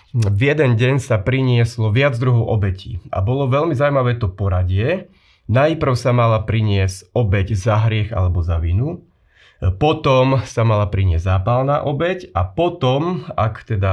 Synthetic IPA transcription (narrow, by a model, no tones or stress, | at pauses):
vjɛd̪ɛnɟɛɲsapɾiɲɪɛslɔʋɪad͡zd̪ɾuɦɔʊʔɔbɛcḭːʔa̰bɔlɔʋɛlmizawmaʋɛːt̪ɔpɔɾaɟɪɛ | najpr̩ʊsamalapɾiɲɪɛscɔbɛɟzaɦɾɪɛxa̰lɛbɔzaʋinu | pɔt̪ɔmsamalapɾiɲɪɛzzaːpalna̰ːʔɔbɛcapɔt̪ɔmakt̪ɛd̪a